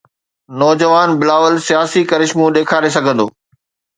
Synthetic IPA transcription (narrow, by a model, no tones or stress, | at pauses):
nɔːd͡ʑəʋaːnbɪlaːʋəlsijaːsikɐɾɪʃmũɗeːkʰaːɾesɐɡʱə̃nd̪oː